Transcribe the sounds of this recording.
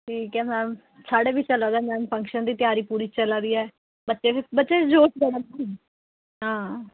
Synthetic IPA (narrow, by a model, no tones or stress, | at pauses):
ʈʰiːkɛːmɛn | saːɽeːʋiːt͡ʃəlad̪ɛːmɛːnpʰə̃ŋkʃənd̪iːt̪jaːɾiːpuːɾiːt͡ʃəlaːd̪iːɛː | bətːʃeːbətːʃeːd͡ʒoːʃɡəɽətː | ɦãː